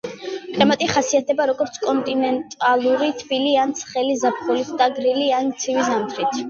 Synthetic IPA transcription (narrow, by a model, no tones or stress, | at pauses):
kʼɛmat̪ʼiχasiat̪ʰɛbaɾɔɡɔɾt̪sʰkʼɔnt̪ʼinɛnt̪ʼalˠuɾit̪ʰbiliant̪sʰχɛlizapʰχɔlit̪ʰd̪aɡɾiliant̪sʰivizamt̪ʰɾit̪ʰ